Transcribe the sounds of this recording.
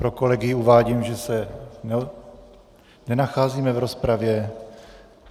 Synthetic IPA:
pɾoko̞lɛɡɪjɪuvaːɟiːmʒɛsɛnɛ | nɛnaxaːziːmɛvɾo̞spɾavjɛ

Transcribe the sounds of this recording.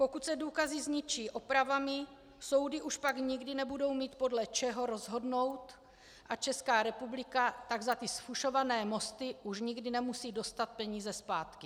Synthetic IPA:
po̞kut̪sɛduːkazɪzɲɪt͡ʃiːʔo̞pɾavamɪ | so̞wdɪʔuʃpaɡɲɪɡdɪnɛbudo̞wmiːt̪̚po̞dlɛt͡ʃɛɦo̞ɾo̞zɦo̞dno̞wt̪ | ʔat͡ʃɛskaːɾɛpublɪkat̪aɡzat̪ɪsfuʃo̞vanɛːmo̞st̪ɪʔuʃɲɪɡdɪnɛmusiːdo̞st̪at̪̚pɛɲiːzɛspaːt̪kɪ

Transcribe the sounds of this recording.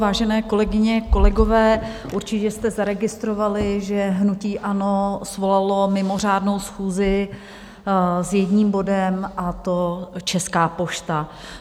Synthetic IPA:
vaːʒɛnɛːko̞lɛɡɪɲɛko̞lɛɡo̞vɛː | ʔuɾt͡ʃɪcɛst̪ɛzaɾɛɡɪst̪ɾovalɪʒɛɦnuciːʔano̞svo̞lalo̞mɪmo̞r̝aːdno̞wsxuːzɪ | zjɛdɲiːmbo̞dɛmʔat̪o̞t͡ʃɛskaːpo̞ʃt̪a

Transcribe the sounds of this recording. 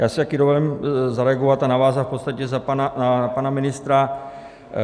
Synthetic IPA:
jaːsɛt̪akidovolɛmzaɾɛaɡo̞vat̪anavaːzafpo̞t̪st̪acɛzapanaapanamɪnɪst̪ɾa

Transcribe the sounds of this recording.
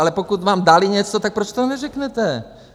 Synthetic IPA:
alɛpokut̪vaːmdalɪɲɛt͡sot̪ak̚pɾot͡ʃt̪onɛrɛknɛt̪ɛ

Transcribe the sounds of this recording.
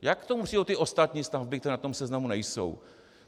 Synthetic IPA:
jakkt̪o̞mupr̥iːdot̪ɪʔost̪at̪ɲiːst̪avbɪkt̪ɛɾɛːnat̪o̞msɛznamunɛjso̰w

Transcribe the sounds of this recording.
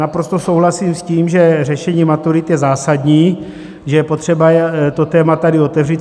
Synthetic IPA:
apɾo̞st̪osowɦlasiːmsciːmʒɛrɛʃɛɲiːmat̪uɾit̪jɛzaːsad̪ɲiː | ʒɛjɛpot̪r̝̥ɛbat̪ot̪ɛːmat̪adɪo̞t̪ɛvriːt̪

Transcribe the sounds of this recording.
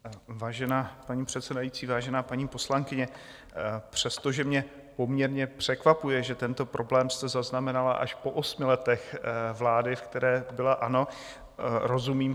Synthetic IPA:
vaːʒɛnaːpaɲiːpr̝̥ɛt̪sɛdajit͡siːvaːʒɛnaːpaɲiːpo̞slaŋkɪɲɛ | pr̝̥ɛst̪oʒɛmɲɛ | po̞mɲɛɾɲɛpr̥ɛkvapujɛʒɛt̪ɛnt̪o̞pɾʔo̞blɛːmst̪ɛzaznamɛnalaʔa̰ʃpo̞ʔo̞smɪlɛt̪ɛxvlaːdɪfkt̪ɛɾɛːbɪlaʔano̞ | ɾo̞zumiːm

